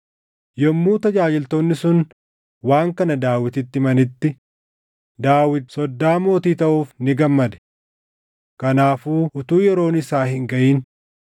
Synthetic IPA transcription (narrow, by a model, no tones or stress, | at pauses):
jɔmːuːt̪ɐd͡ʒaːd͡ʒɪlt̪oːnːɪsʊn | waːŋkɐnɐd̪aːwɪt̪ɪt̪ːɪmɐnɪt̪ːɪ | d̪aːwɪt̪sɔd̪ːaːmo̞ːt̪iːt̪ɐʔuːfnɪɡɐmːɐd̪ɛ̥ | kɐnaːfuːʔʊt̪uːjɛɾo̞ːnɪsaːhɪŋɡɐʔiːn